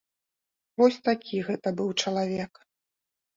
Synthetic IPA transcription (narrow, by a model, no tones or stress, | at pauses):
vɔsʲt̪akʲʰiɣɛt̪ɐbɨwt͡ʂɐlˠavʲɛk